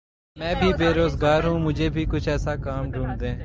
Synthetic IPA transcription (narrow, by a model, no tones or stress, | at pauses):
mɛ̃ːbʱiːbeːɾoːzɡaːɾɦũːmʊd͡ʒʱeːbʱiːkʊt͡ʃʰɛːsaːkaːmɖʱũːɳɖd̪ẽː